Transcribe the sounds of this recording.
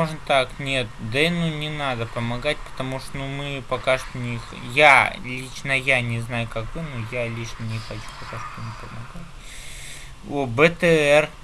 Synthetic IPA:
oʐnt̪aknʲet̪̚d̪ɐnunʲɪnad̪əpəmɐɡatʲpə̥t̪ɐmuʂt̪onumɨpɐkaʂt̪onʲɪx | jalʲit͡ɕnəjanʲɪznajʊkakvɨnujalʲiʂnənʲɪxɐt͡ɕu̥xɐtaʂt̪onɪpəmɐɡatʲ | obət̪ɛɛr

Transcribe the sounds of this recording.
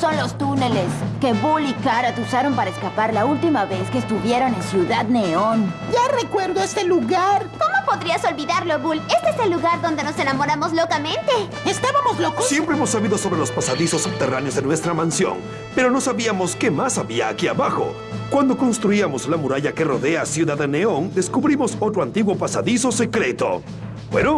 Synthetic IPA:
so̞nlo̞st̪une̞le̞ske̞βulikaɾat̪usaɾo̞mpaɾaeskapaɾlault̪imaβe̞skeːst̪uβje̞ɾo̞nensjuðaðne̞o̞nɟ͡ʝarekweɾðoest̪eluɣaɾko̞mo̞po̞ðɾiaso̞lβiðaɾloβule̞st̪eeselːuɣaɾðo̞nd̪eno̞se̞namoɾamozlo̞kamẽ̞nt̪e̞ | est̪aβamoslokossje̞mpɾeemosːaβiðo̞so̞βɾelospasaðisosːub̚t̪eranjo̞zðenwe̞st̪ɾamansjo̞̰n | pe̞ɾo̞no̞saβiamo̞ske̞masaβiaːkia̰βaxo̞̰ | kwand̪o̞ko̞nst̪ɾuiamo̞slamuɾaʝake̞roðe̞asjuðaðeneo̞nd̪eskuβɾimoso̞t̪ɾoant̪iɣwo̞pasa̰ðiso̞se̞kɾet̪o̰ | bwḛno

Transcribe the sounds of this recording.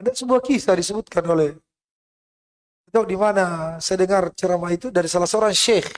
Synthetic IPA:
adasəbuahkisadisəbut̪̚kanolɛh | it̪audimanasajdəŋart͡ʃəɾamait̪udaɾisalasəoɾaŋʃɛx

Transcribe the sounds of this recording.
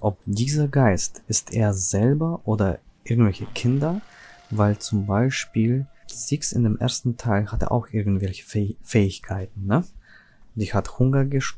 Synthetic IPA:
ʔɔp̚d̥iːzɐɡaɪstʔɪstʔeːɐzɛlbɐʔoːdɐʔɪɐɡŋ̩tv̥ɛlçəkʰɪndɐvaɪlt͡sʊmbaɪʃpiːlz̥iksɪ̰ndeːmʔḛːɐstn̩tʰaɪlhatə̰ʔa̰ʊxʔɪɐɡŋ̩tv̥ɛlçə̥fɛːɪçkʰaɪtn̩nə | d̥iːhathʊŋɐɡəʃ

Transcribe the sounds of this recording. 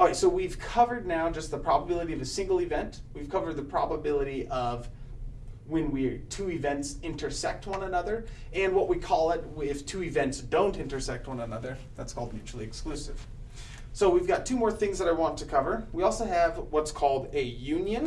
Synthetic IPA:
ɹaɪtsoʊwiv̥kʰʌvə˞dⁿnaʊd͡ʒʌst̪̚ðəpʰɹ̥ɑbəbɪlˠəɾiʌvɨsɪ̃ŋɡl̩ˠɨvɛ̃ntwiv̥kʰʌvə˞d̪̚ðɨpʰɹ̥ɑ̰bəbɪlˠəɾiʔʌv | wɨ̃nwitʰʉɨvɛ̃ntsɪ̃ntə˞sɛk̚t̚wʌ̃nənʌðə˞ | ɨ̃nwʌʔ̚wikʰɔlˠɪt̚ɪftʰʉɨvɛ̃ntsd̥õʊ̃ntɪ̃ntə˞sɛk̚t̚wʌ̃nɨnʌðə˞ | ðætskʰɔlˠd̚mjʉt͡ʃʉl̩ˠiɨksklʉsɪ̰v̥ | soʊwivɡɑtʰʉmɔɹθɪ̃ŋzðəɾaɪwɑ̃ntʰɨkʰʌvə˞wiɔlˠsoʊɨvwʌtskʰɔlˠdɨjʉ̃njɨ̃n

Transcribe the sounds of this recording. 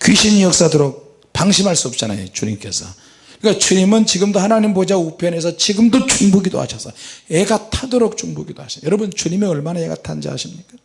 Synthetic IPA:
kɥiɕʰinjʌk̚s͈adoɾok̚ | paŋɕʰimɦaɭs͈uʌp̚t͡ɕ͈ana̰jo̰t͡ɕuɲḭmk͈e̞̰sʰʌ | ɯik͈at͡ɕuɲimɯnt͡ɕiɡɯmdohanaɲimpod͡ʑaupʰjʌne̞s̬ʰʌt͡ɕiɡɯmdot͡ɕuŋbuɡido̰ha̰ɕʰʌs͈ʌeɡatʰadoɾok̚t͡ɕuŋbuɡidoa̰ɕʰjʌɾʌbɯnt͡ɕuɲime̞ʌɭmanaeɡa̰tʰa̰nd͡ʑa̰ɦa̰ɕʰimɲik͈ḁ

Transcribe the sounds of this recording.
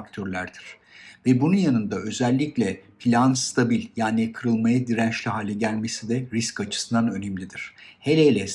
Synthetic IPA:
kt̪ʰøɾlʲæɾd̪̥iɾ̥ | vɛbununjanɯnd̪aø̞zælʲːiclʲɛpʰlʲanst̪ʰabilʲjaːnikʰɯɾɯlˠmajad̪iɾænt͡ʃlʲiɦaːlʲɛɟælʲme̞sid̪ɛɾiscat͡ʃʰɯ̥sɯnd̪anø̞nɛmlʲid̪iɾ̥he̞lʲejlʲɛs

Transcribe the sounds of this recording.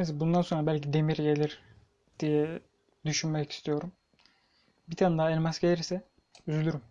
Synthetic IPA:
zbund̪anso̞nɾabælʲcid̪e̞miɾɟe̞lʲiɾ | d̪̥ijɛ | d̪yʃynmɛci̥st̪ʰijo̞ɾum | bit̪ʰand̪aɛlʲmasɟelʲiɾsɛ | yzylʲyɾym

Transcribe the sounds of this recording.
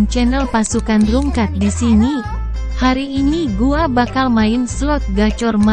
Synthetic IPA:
nt͡ʃɛnɛlpasukanruŋkat̪̚disini | haɾiːniɡuabakalmaɪnsuɔt̪̚ɡat͡ʃɔrma

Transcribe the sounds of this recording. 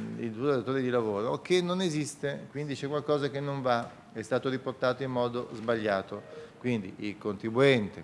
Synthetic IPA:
ḭld̪ueat̪oːɾed̪ilavoːɾokenːonezist̪ekwind̪it͡ʃɛkːwalkɔːzakenːoɱva | ɛst̪aːt̪oɾiport̪aːt̪oimːɔːd̪ozbaʎːaːt̪okwind̪ḭilkont̪ɾibuɛnt̪e

